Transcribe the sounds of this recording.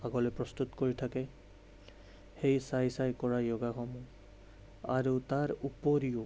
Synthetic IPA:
aɡɔlɛpɹɔst̪ut̪koɹitʰakɛ | xejsajsajkɔɹajɔɡaxɔmu | a̰ɹutaɹupoɹiʊ

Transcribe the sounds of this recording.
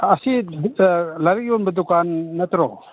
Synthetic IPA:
asi | laɾik̚jonbədukanːət̪ɾo

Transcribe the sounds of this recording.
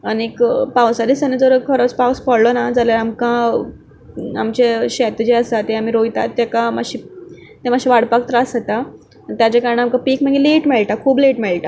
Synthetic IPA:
anekpawsad̪isanid͡zəɾəkʰəɾot͡spawspəɽlɔnad͡zaljaɾamkã | a̰mt͡ɕeɕɛt̪d͡ʑeəsat̪eam̤iɾojt̪at̪ːjakãmaɕi | t̪emaɕiʋaɽpak̚t̪ɾasət̪a | ət̪jat͡ɕjakaɾəɳeamkãpiːkm̤ə̃ŋɡileʈmɛɭʈakʰuːbleʈmɛɭʈa

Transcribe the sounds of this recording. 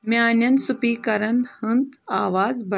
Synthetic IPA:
maːnjɐnsupiːkɐɾɐnhənt̪aːʋaːd͡zbɐ

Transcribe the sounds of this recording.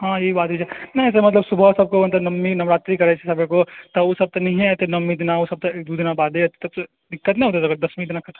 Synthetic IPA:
ɦãːjebaːt̪id͡ʒɛnɐĩɛs̬emɐt̪ləbsʊbʱəsɐb̚koɐnt̪ɐnɐmːinɐmɾaːt̪ɾikɐɾɛt͡ʃʰesɐbʱekot̪ɐosɐb̚t̪ɐnɐɦĩɦɛt̪enɐmːid̪ɪnaosɐb̚t̪ɐek̚d̪uːd̪ɪnabaːd̪eɐt̪t̪ɐk | d̪ɪkːət̪nɐ̃ɦoːt̪et̪ɐɡəɾd̪ɐsmĩd̪ɪnakɐt̪a

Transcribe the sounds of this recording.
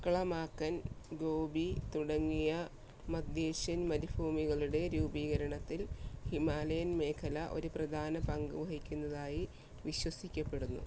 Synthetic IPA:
kɐɭɐmaːkːɐnɡo̞ːbit̪uɽɐŋːijɐ | mɐd̪jeːɕjɐnmɐɾubʱuːmiɣɐɭuɽe̞ɾuːbiːɣɐɾɐɳɐt̪ːilhimaːlɐjɐnme̞ːkʰɐlɐʔo̞̰ɾuprɐd̪ʱaːnɐpɐŋɡɨʋɐɦikʲːunːɐðaːji | ʋiɕwɐsikʲːɐpːe̞ɽunːṵ

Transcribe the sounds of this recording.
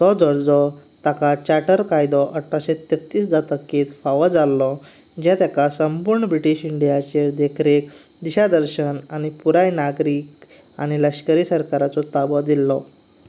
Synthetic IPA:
t̪ɔd͡zɔɽd͡zɔt̪akat͡ɕaʈəɾkajd̪ɔʔəʈʰːaɕet̪et̪ːiːsd͡zat̪əkːiːt̪faʋəd͡zalːɔ | d͡ʑɛ̃t̪jakasəmpuɾɳəbɾiʈiɕiɳɖijat͡ɕeɾd̪ekʰɾek | d̪iɕad̪əɾɕənañipuɾajnaɡɾiːk | a̰ɽ̃iləɕkəɾisəɾkaɾat͡sɔt̪abɔd̪ilːɔ

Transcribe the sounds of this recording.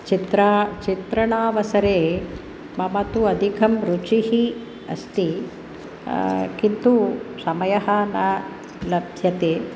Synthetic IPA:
t͡ʃit̪ɾat͡ʃit̪ɾɐɳaːʋɐsɐɾeː | mɐmɐt̪uɐd̪ʱikʰɐmɾut͡ʃihi | ɐ̰st̪i | kint̪usɐmɐjɐɦɐnɐ | lɐbʱjɐt̪eː

